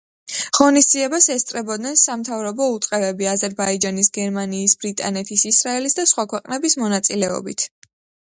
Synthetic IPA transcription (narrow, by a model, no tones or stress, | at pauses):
ʁɔnisd̪ziɛbasɛst̪ʼɾɛbɔd̪nɛnsamt̪ʰavɾɔbɔut̪sʼqʼɛbɛbiazɛɾbaid͡ʒanisɡɛɾmaniːsbɾit̪ʼa̰nɛt̪ʰisisɾaɛlisd̪asχwakʰwɛqʼnɛbismɔnat̪sʼilɛɔ̰bḭt̪ʰ